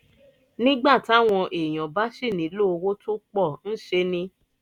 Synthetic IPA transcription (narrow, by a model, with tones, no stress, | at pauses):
nĩ˦ɡ͡ba˦˨ta˦˨w̃ɔ̃˧ʔe˨j̃ɔ̃˨ba˦ʃi˦˨nĩ˨˦lo˦o˧wo˦to˦k͡pɔ˦˨n̩˦ʃe˧nĩ˧˦